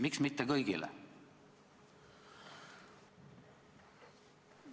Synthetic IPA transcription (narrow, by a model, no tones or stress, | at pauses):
miksmit̪ːekɤjɡ̥ḭlɛ̰